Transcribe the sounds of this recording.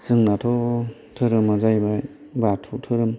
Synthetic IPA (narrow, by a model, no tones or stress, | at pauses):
sɯŋnatʰɔ | tʰɯɾɯmazajba | batʰutʰɯɾɯm